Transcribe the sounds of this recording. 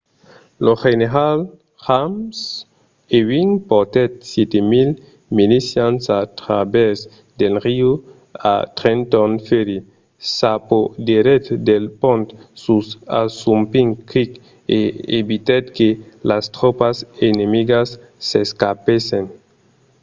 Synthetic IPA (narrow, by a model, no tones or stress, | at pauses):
loxeneʁal | xams | ewiŋpot̪et̪̚sjet̪emil | milisjansat̪ɾabez | d̪elʁio | a̰t̪ɾent̪onfeɾi | sapod̪eɾet̪d̪elpõnt̪susa̰sumpiŋkɾik | eḛbit̪et̪kelast̪ɾopasenemiɡasː | eskapesen